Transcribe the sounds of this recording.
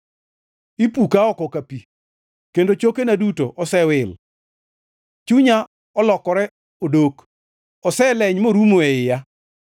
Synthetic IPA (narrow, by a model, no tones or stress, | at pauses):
ipukaɔkɔkapi | kendot͡ʃokenadutoʔɔsɛwɪl | t͡ʃuɲa | ɔlɔkɔɾɛ | odok | ɔsɛlɛɲmoɾumoeɪja